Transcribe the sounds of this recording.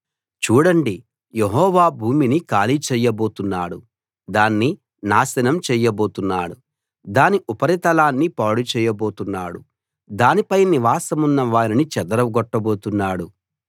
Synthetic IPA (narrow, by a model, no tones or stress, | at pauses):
t͡ʃuːɽɐɳɖi | jeɦɔːʋaːbʱuːminikaːlit͡ʃɛːjɐboːt̪unːaːɽu | d̪aːnːi | naːsɐnɐmt͡ʃɛːjɐbo̞ːt̪unːaːɽu | d̪aːniʔupɐɾit̪ɐlaːnːipaːɽut͡ʃɛːjɐbo̞ːt̪unːaːɽu | d̪aːnipɐjniʋaːsɐmunːɐʋaːɾinit͡ʃɛd̪ɐɾɐɡɔʈːɐbo̞ːt̪unːaːɽu